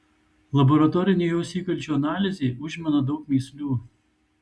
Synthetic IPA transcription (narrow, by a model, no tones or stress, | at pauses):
lˠɐbɔɾɐt̪ɔːɾʲɪnʲuːjɛʊsʲiːkɐlʲt͡ʃʲuːɐnɑːlʲɪzʲeːʊʒʲmʲɛnɐd̪ɒʊkmʲeːsʲlʲuː